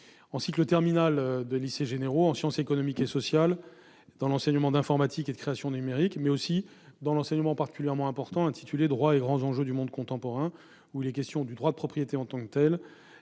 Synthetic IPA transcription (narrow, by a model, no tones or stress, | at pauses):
ɑ̃siklət̪ɛʁminald̪əliseʒeneʁoɑ̃sjɑ̃sekɔnɔmikesɔsjal | d̪̥ɑ̃lɑ̃sɛɲəmɑ̃d̪ɛ̃fɔʁmat̪ʰiked̪əkχeasjɔ̃d̪ənymeʁikmɛosi | d̪ɑ̃lɑ̃sɛɲəmɑ̃paχʁt̪i̥kʲyljɛʁmɑ̃ɛ̃pɔʁt̪ɑ̃ɛ̃t̪ʰit̪yled̪ʁwaeɡʁɑ̃zɑ̃ʒød̪ymɔ̃d̪kɔ̃t̪ɑ̃pɔʁɛ̃ | uilɛkʲɛst̪jɔ̃d̪yd̪ʁwad̪əpχɔpχijet̪eɑ̃t̪ɑ̃kt̪ɛl